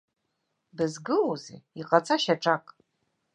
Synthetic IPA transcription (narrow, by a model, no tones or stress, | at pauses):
bɨzɡɨuzḛiqʼat͡sʰʼaʃaʈ͡ʂʼakʼ